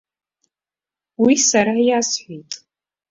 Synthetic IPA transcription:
wisaɾajasħʷijtʼ

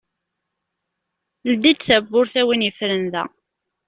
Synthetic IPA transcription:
ld̪id̪θæbːʊɾθæwinjəfɾənðæ̰

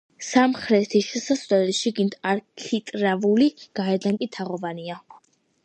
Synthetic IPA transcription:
samχɾɛt̪ʰiʃɛsaslɛlɛʃiɡind̪aɾkʰit̪ʼɾavuliɡ̥aɛd̪aŋkʼit̪ʰaʁɔvania

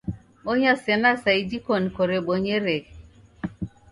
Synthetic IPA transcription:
oɲasɛnasaidikonikoɾeɓoɲeɾek

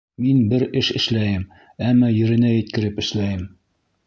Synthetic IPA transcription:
minbɘɾɘʃɘ̆ʃlæjɘm | æmːæjɘ̆ɾɘ̆næjɘ̆t̪̚kɘ̆ɾɘpɘ̆ʃlæjɘm

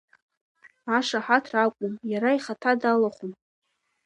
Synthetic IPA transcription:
aʂaħatʰrakʷʼʊmjaɾaiχatʰadalaχʷum

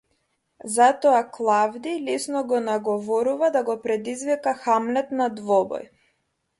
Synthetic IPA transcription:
zat̪ɔaklˠavd̪ilisnɔɡɔnaɡɔvɔɾuvad̪aɡɔpɾɛd̪izvikaxamlɛt̪nad̪vɔbɔ̰j

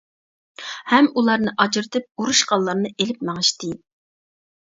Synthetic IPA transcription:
hɛmulˠɑɾnɨʔɑd͡ʒɾt̪ʰɨp̚uɾuʃqɑlˠːɑɾnɨʔelɪpmɛŋɨʃt̪ɪ

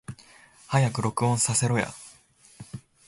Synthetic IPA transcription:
hajakɯ̟ɾo̞kɯ̟õ̞ɰ̃sase̞ɾo̞ja̰

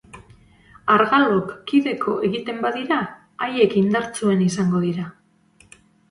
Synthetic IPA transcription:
aɾɣalo̞kːiðe̞kʰo̞ʔe̞ɣit̪e̞mbaðiɾa | aje̞kind̪aɾt͡sue̞nisaŋɡo̞ðiɾa

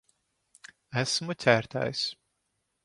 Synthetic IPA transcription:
æsmut̪sʲæːɾt̪a̰ːjs

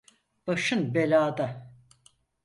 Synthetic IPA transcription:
b̥aʃɯnbelʲaːd̪a

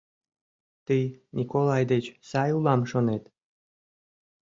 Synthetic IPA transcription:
t̪ijnʲʔikolɑjd̪et͡ɕsɑjulɑmʃonet̪

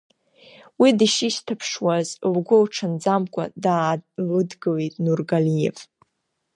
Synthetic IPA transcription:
widiʃiʃtʰapʰʂwazlɡʷʊlʈ͡ʂʰɨnd͡zamkʷʼa̰daːlɨdɡɨlitʼnurɡalijḛv

